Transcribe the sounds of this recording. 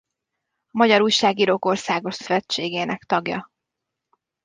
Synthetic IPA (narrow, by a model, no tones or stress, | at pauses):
ɒmɒɟɒɾuːjʃaːɡiɾoko̞rsaːɡo̞ʃsvɛt͡ʃeːɡeːnɛkt̪ɒɡjɒ̰